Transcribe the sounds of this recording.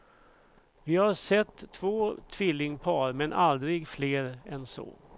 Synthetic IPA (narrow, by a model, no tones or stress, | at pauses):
vɪhaʂɛt̪ʰːvoːt̪ʰvɪlːɪŋpʰɑːɾmɛnʔald̪ɾɪɡfleːɾɛnsɔ̰ː